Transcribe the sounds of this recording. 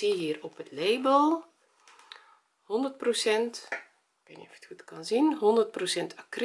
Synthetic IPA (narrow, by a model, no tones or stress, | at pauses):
iɦiːrɔpətleːbəlˠ | hɔndərt̚prosɛnt | b̥ɛnefə̥txutkɑnzinɦɔndərt̚prosɛntʰakr